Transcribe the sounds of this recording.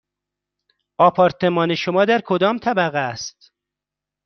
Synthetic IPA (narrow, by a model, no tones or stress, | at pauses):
ɒːpʰɒːɾt̪ʰe̞mɒːne̞ʃomɒːd̪æɾkʰod̪ɒːmt̪ʰæbæɣeæst̪